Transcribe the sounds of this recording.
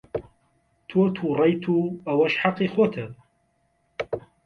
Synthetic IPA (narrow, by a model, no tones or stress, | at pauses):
t̪ʰot̪ʰurˤɑjt̪ʰuɐwɐʃħaqːixot̪ʰɐ